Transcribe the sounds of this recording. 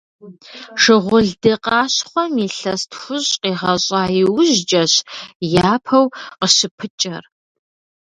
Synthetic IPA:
ʂɨʁʷʊɮdɨqɑːɕχʷɔmiːɬɐstxʷʊɕʼqiːʁɐɕʼɑːjɪwʑd͡ʒʼɐɕjaːpʰɐwqəʃɪpʰɨt͡ʃʼɐr

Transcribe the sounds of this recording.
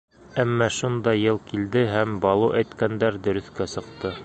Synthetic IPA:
æmːæʃund̪ɑjɤlˠkild̪ɘɦæmbɑlˠuʔæjt̪kænd̪æɾd̪ɵ̆ɾɵ̆θkæsɤ̆qt̪ɤ

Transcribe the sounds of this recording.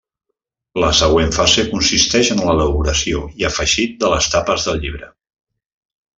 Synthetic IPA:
ləsəɣ̞weɱfazekunsist̪ɛʒənlələβuɾəsioiəfəʒit̪̚d̪ələst̪apəzðəlˠʎiβ̞ɾə

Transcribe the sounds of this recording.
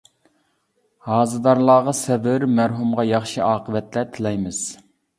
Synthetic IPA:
hɑːzɨd̪ɑɾlˠɑːʁɑsɛbɪɾmæɾɦumʁɑjɑχʃiʔɑːqəvɛt̪lɛt̪ʰɪlɛjmɪz̥

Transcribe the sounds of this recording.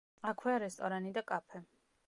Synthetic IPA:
akʰwɛaɾɛst̪ʼɔɾanid̪akʼapʰɛ

